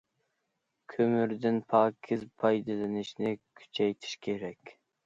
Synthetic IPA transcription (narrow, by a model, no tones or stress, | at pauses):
kʲʰømyɾd̪ɪnpʰɑːkʲʰɪzpʰɑjd̪ɨlɪnɪʃnɪkʲʰy̥t͡ʃʰɛjt̪ʰi̥ʃkʲʰeɾɛkʲ